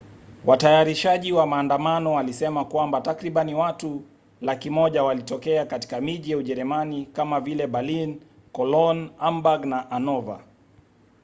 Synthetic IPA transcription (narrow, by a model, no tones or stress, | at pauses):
watajaɾiʃaʄiwamaːndamanɔwalisɛmakwambatakɾiɓaniwatu | lakimɔʄawalitɔkɛakati̥kamiʄijauʄɛɾɛmanikamavilɛɓalin | kɔlɔnambaɡnaʔanɔva̰